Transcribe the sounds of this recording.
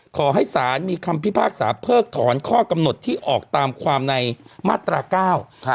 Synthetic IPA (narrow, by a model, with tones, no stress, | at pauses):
kʰɔː˩˦ɦa˥˩jsaː˩˦nmiː˧kʰa˧mpʰi˦˥˩pʰaː˥˩k̚sa̰ː˩˦pʰɤː˥˩k̚t̪ʰɔː˩˦nkʰɔː˥˩ka˧mno˨˩t̪ʰːiː˥˩ʔɔː˨˩k̚t̪aː˧mkʰwaː˧mna˧jmaː˥˩t̪ɾaː˧kaː˥˩w